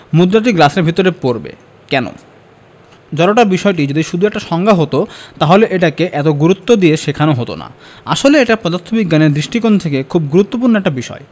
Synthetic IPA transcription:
mud̪ɾaʈ̬iɡlaseɾbʱit̪oɾepoɾbḛ | kɛno̰ | d͡ʑɔɾoʈabiʃɔeʈ̬id͡ʑod̪iʃud̪ʱuɛk̚ʈaʃɔŋɡʱaɦot̪ot̪aɦoleʔeʈakeʔɛt̪oɡuɾut̪ːod̪ieʃekʰanoɦot̪o̰na̰ | a̰ʃoleeʈapɾɔd̪at̪ʰːobiɡːaneɾd̪ɾiʃʈikont̪ʰekekʰub̚ɡuɾut̪ːopuɾnoɛk̚ʈabiʃɔ̰e

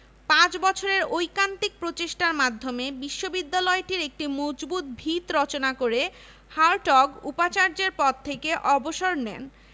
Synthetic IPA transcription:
pãt͡ɕbɔt͡ɕʰoɾeɾojkant̪ik̚pɾot͡ɕeʃʈaɾmad̪ʱːomebiʃːobid̪ːalɔeʈiɾek̚ʈimod͡ʑbut̪̚bʱit̪ɾɔt͡ɕonakoɾe | haɾʈɔɡupat͡ɕaɾd͡ʑeɾpɔt̪̚t̪ʰːekeʔɔboʃoɾnɛ̰n

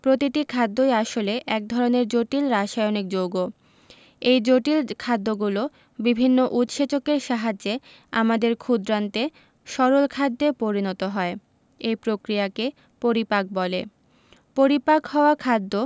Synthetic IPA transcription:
pɾot̪iʈ̪ikʰad̪ːojaʃoleʔɛk̚d̪ʱɔɾoneɾd͡ʑoʈilɾaʃajonik̚d͡ʑoɡo | ejd͡ʑoʈilkʰad̪ːoɡulo | bibʱinːoʔut̪ʃet͡ɕokeɾʃaɦad͡ʑːe | a̰mad̪eɾkʰud̪ɾant̪e | ʃɔɾolkʰad̪ːepoɾinɔt̪oɦɔe | ejpɾokɾijake | poɾipak̚bɔle | poɾipakɦɔoakʰad̪ːo

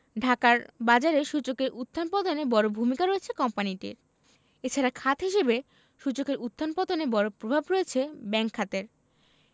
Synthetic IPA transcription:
ɖʱakaɾbad͡ʑaɾeʃut͡ɕokeɾʔut̪ːanpɔd̪onebɔɾobʱumikaɾoet͡ɕʰekɔmpaniʈḭɾ | et͡ɕʰaɾakʰat̪ɦiʃebe | ʃut͡ɕokeɾut̪ʰːanpɔd̪onebɔɾopɾobʱabɾoet͡ɕʰebɛŋkʰːat̪eɾ

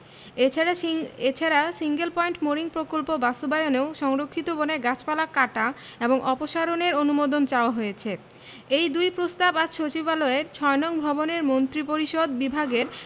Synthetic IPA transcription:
aet͡ɕʰaɾasiŋɡelpɔiɳʈmoɾiŋpɾokolpobast̪ubajoneowʃɔŋɾokʰːit̪oboneɡat͡ɕpalakaʈa | eboŋʔɔpoʃaɾoneɾonumod̪ont͡ɕaoaɦojet͡ɕʰe | ejd̪ujpɾost̪abaɾʃot͡ɕibaloeɾt͡ɕʰɔenɔŋbʱɔboneɾmont̪ɾipoɾiʃod̪bibʱaɡeɾ

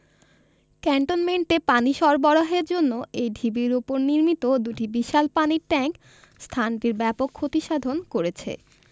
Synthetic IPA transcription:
kɛɳʈonmeɳʈepaniʃɔɾbɔɽaɦeɾd͡ʑonːoejɖʱibiɾupoɾniɾmit̪od̪uʈibiʃalpaniɾʈɛŋk | st̪ʰanʈiɾbɛpokʰːot̪iʃad̪ʱonkoɾet͡ɕʰḛ

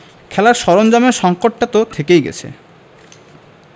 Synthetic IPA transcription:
kʰɛlaɾʃɔɾond͡ʑameɾʃɔŋkoʈ̚ːat̪ot̪ʰekejɡɛ̰t͡ɕʰḛ

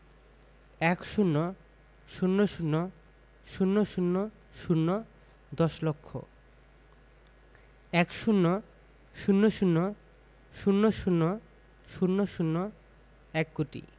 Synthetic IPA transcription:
ɛkʃunːo | ʃunːoʃunːo | ʃunːoʃunːo | ʃunːo | d̪ɔʃlokʰːo̰ | ɛkʃunːo | ʃunːoʃunːo | ʃunːoʃunːo | ʃunːoʃunːo | ɛkːuʈḭ

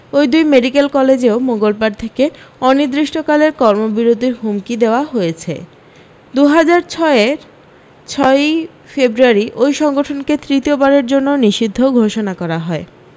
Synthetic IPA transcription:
ojd̪ujmeɖikelkɔled͡ʑeomoŋɡolbaɾt̪ʰekeɔnid̪ɾiʃʈʰokaleɾkɔɾmobiɾod̪ʱiɾɦumkid̪eoaɦojet͡ɕʰḛ | d̪uɦad͡ʑaɾt͡ɕʰɔeeɾ | t͡ɕʰɔe | febɾuaɾiʔojʃɔŋɡoʈʰonket̪ɾit̪iobaɾeɾd͡ʑonːoniʃid̪ʱːoɡʱoʃonakɔɾaɦɔe

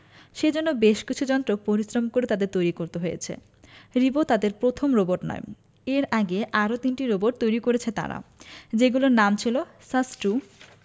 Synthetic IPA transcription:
ʃed͡ʑonːobeʃkit͡ɕʰud͡ʑɔnt̪ɾopoɾisɾomkoɾet̪ad̪eɾt̪ojɾikoɾt̪eɦojḛt͡ɕʰḛ | ɾibot̪ad̪eɾpɾot̪ʰomɾoboɾʈnɔ̰e | eɾaɡeʔaɾot̪inʈiɾoboʈ̚t̪ojɾikoɾet͡ɕʰet̪a̰ɾa̰d͡ʑeɡuloɾnamt͡ɕʰilo | sasʈu

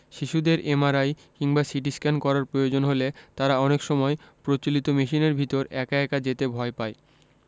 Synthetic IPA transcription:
ʃiʃud̪eɾemaɾaj | kiŋbasiʈ̬iskankɔɾaɾpɾojod͡ʑonɦolet̪aɾaɔnekʃɔmɔepɾot͡ɕolit̪omiʃineɾbʱit̪oɾɛkaɛkad͡ʑet̪ebʱɔepae

